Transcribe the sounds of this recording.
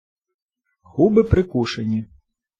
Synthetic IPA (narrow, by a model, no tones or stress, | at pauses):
ɣubɪpɾɪkuʃenʲi